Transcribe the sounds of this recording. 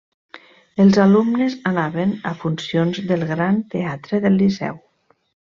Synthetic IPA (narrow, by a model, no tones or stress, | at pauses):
əlˠzalumnezanaβenafunsionzðəlˠɣɾant̪eat̪ɾəðəlːisɛ̰w